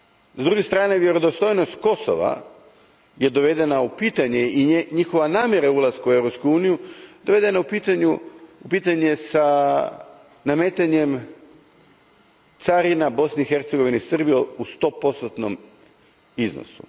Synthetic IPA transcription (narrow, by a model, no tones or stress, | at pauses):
zd̪ɾuɡest̪ɾaːneʋje̞ɾod̪o̞st̪o̞jno̞st̪ko̞so̰ʋa̰ | je̞d̪o̞ʋe̞d̪enaupiːt̪aɲeiɲixo̞ʋanaːmʲje̞ɾaulˠazkuewɾo̞pskuuːnijud̪oʋe̞d̪enaupit̪aɲuupiːt̪aɲe̞sa | name̞ːt̪aɲem | t̪saɾinabo̞sniixe̞ɾt̪seɡo̞ʋinisr̩bijoust̪o̞po̞st̪ot̪nom | izno̰sṵ